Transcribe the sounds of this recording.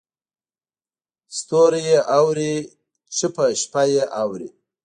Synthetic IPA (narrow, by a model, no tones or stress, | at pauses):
st̪oɾjeʔawɾi | t͡ʃəpəʃpajeʔawɾḭ